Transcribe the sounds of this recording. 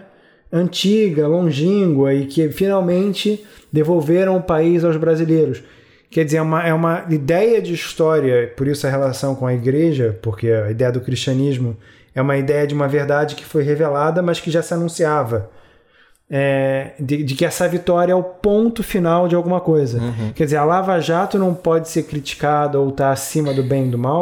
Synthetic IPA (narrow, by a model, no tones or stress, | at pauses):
ɐ̃t͡ʃiɡɐlõʒĩɡwɐɪkɪfinawmẽnt͡ʃɪd̪evowveɾɐ̃w̃ʊpaizawzbɾazilejɾʊs | kɛd͡ʒɪzeɾɛũmɐɛũmɐid̪ɛjɐd͡ʒɪiʃt̪ɔɾiɐpoɾisʊɐhelasɐ̃w̃kõɐiɡɾeʒɐpoɾkeɐid̪ɛjɐd̪ʊkɾiʃt͡ʃiɐ̃niʒmʊ | ɛũmɐid̪ɛjɐd͡ʒɪũmɐveɾd̪ad͡ʒɪkɪ̥fojɦevelad̪ɐmɐskɪʒasɪanũsiavɐ | ɛd͡ʒɪd͡ʒɪkɪɛsɐvit̪ɔɾjɐɛʊpõnt̪ʊfinawd͡ʒɪawɡũmɐkojzɐkɛd͡ʒɪzeɾalavaʒat̪ʊnɐ̃w̃pɔd͡ʒɪseɾkɾit͡ʃi̥kad̪ɐowt̪aɾasĩmɐd̪ʊbẽj̃d̪ʊmaw